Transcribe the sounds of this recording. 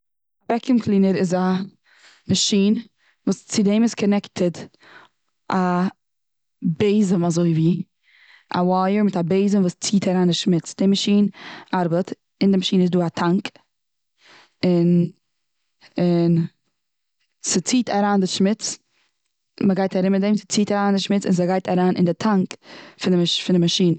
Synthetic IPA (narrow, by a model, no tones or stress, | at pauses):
bɛkəmkʰlˠiːnəɾɪza | maʃiːn | vuːst͡sɪdɛmɪskʰɔnɛktʰəd | ʔa | beɪzəmazoɪviː | a̰waːjəɾmɪtabeɪzəmvuːst͡siːtʰaɾaːndɪʃmɪt͡sd̥ɪmaʃiːnaɾbət | ɪndɪmaʃiːnəɪzduːatʰaŋk | ɪn | ɪn | sɪt͡siːtʰaɾaːndɪʃmɪt͡s | məɡaɪtaɾɪmɪtdɛmsɪ̥t͡siːtaɾaːndɪʃmɪt͡sɪnzəɡaɪtaɾaːnʔɪ̰ndɪtʰaŋkfɪnɪfɪndɪmaʃiːnə